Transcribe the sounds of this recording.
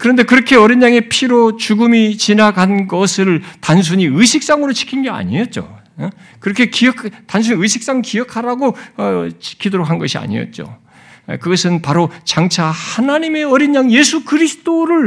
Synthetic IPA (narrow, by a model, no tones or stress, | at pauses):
kɯɾʌnde̞kɯɾʌkʰe̞ʌɾinːaŋe̞pʰiɾot͡ɕuɡɯmit͡ɕinaɡanɡʌsʰɯɭtans̬ʰuɲiɯɕʰik̚s͈aŋɯɾot͡ɕʰi̥kʰinɡe̞a̰ɲijʌt̚t͡ɕ͈o̰ | kɯɾʌkʰe̞kijʌkʰtans̬ʰuɲiɯɕʰik̚s͈aŋɯɭkijʌkʰaɾaɡo | t͡ɕʰi̥kʰidoɾok̚hanɡʌɕʰia̰ɲḭjʌ̰t̚t͡ɕ͈o̰ | kɯɡʌsʰɯnpaɾot͡ɕaŋt͡ɕʰahanaɲime̞ʌɾinɲaŋje̞sʰukɯɾisʰɯ̥t͈oɾɯɭ